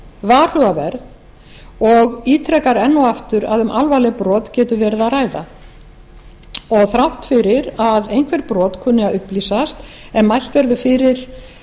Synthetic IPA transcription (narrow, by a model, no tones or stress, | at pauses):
vaːr̥œɣavɛ̰ɾð | ɔɣiːt̪ʰɾɛkaɾɛnːɔaft̪ʏɾaðʏmʔalvaːlɛpɾɔːt̪cɛːt̪ʏvɛːɾɪðaraːjða̰ | ɔɣθɾawht̪fɪɾɪɾaðejn̥kʰvɛɾpɾɔːt̪kʰʏːnːɪaðʏhpliːsast̪ | ɛmmːajl̥t̪vɛɾðʏfɪɾɪɾ̥